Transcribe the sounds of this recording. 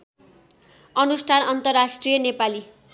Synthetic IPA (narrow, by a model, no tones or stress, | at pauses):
ʌnusʈʰanʌnt̪ʌrːasʈrijʌnepali